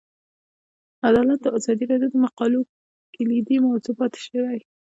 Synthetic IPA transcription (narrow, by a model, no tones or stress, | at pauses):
ad̪ɑlat̪̚d̪əɑzɑd̪iɾɑd̪jod̪əmaqɑlo | kɪlid̪imawzupɑt̪e̥ʃewaj